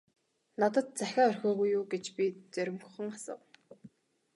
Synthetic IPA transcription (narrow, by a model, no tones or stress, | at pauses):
nat̪ə̆t̪̚t͡sæxʲaːœrxʲoːɣujːuːɡet͡ɕpʲit͡sœɾʲɪ̆mɡχɞ̆ŋasə̰̆w